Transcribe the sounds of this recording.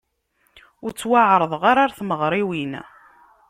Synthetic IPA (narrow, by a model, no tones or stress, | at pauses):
ʊɾt͡sːwaʕɾˤəðˤʁaɾaɾθməʁɾˤiwin